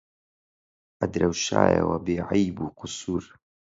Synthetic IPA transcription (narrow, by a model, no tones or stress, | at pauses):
ʔɐd̪ɾawʃa̰ːja̰wɐbeːʕajbuːqʊsuːɾ